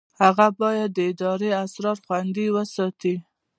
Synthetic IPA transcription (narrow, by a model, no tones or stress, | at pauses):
haɣabɑjad̪ːəɪd̪ɑɾeasɾɑɾxwand̪iwəsɑt̪i